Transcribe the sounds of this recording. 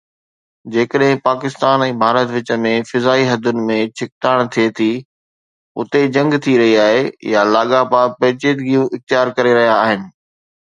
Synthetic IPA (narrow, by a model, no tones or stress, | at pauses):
d͡ʑeːkəɗɦɪ̃paːkɪst̪aːnɛ̃ːbʱaːɾət̪ʋɪt͡ɕə̆mẽfɪzaːiɦɐd̪ʱʊnɪ̆mẽt͡ɕʰɪk̚ʈ̪aːɽ̃t̪ʰiet̪ʰiː | ʊ̰t̪ed͡ʑɐ̃ŋɡt̪ʰiɾɐɦiaːɦejalaːɠapaːpɛːt͡ɕeːd̪ɡijũʔɪxt̪ijaːɾkɐɾeɾɐɦijaːɦɪnɪ̆